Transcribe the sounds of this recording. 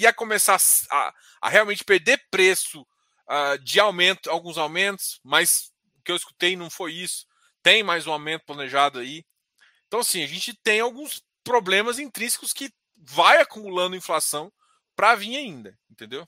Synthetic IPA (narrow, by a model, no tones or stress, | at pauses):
iɐkõmesasa̰ | ɐ̰heawmẽnt͡ʃɪ̥peɾd̪eɾpɾesʊ | ad͡ʒɪawmẽnt̪ʊawɡũzawmẽnt̪ʊ̥smɐs | ʊkɪewɪsku̥t̪ejnɐ̃w̃fojisʊ̥ | t̪ẽj̃majzũawmẽnt̪ʊplɐneʒad̪ʊai | ẽt̪ɐ̃w̃asĩaʒẽnt͡ʃɪt̪ẽj̃awɡũs | pɾoblẽmɐzĩnt̪ɾĩsɪ̥kʊskɪ | vajakumulɐ̃nd̪ɐĩflasɐ̃w̃ | pɾɐvĩɲaĩnd̪ɐẽnt̪ẽnd̪ew